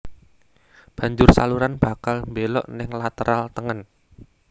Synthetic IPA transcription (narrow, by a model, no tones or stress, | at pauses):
b̥ä̤ɲd͡ʒʊrsa̰luɾanb̥a̤kalmbelɔ̰ʔnɪŋlat̪əɾalt̪əŋən